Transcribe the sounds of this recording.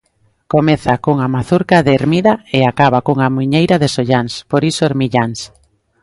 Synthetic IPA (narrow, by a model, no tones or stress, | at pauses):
komeθakoŋamaθuɾkaðeːɾmiðaeakaβakoŋamuɲejɾaðesoʎanspoɾisoeɾmiʎaŋs